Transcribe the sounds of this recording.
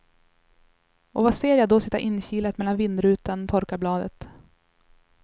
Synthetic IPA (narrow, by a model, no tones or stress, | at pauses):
ɔvaseːɾjad̪ɔsɪt̪ːa̰ʔɪnːɕiːlət̪mɛlːanvɪnd̪ɾʉ̟ːt̪anɔt̪ʰɔɾkablɑːd̪ə̰t̪